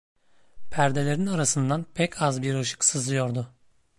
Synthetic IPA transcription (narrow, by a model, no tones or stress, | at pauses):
pʰæɾd̪e̞lʲe̞ɾinaɾasɯnd̪anpʰɛcʰazbiɾɯʃɯ̥ksɯzɯjo̞ɾd̪ʊ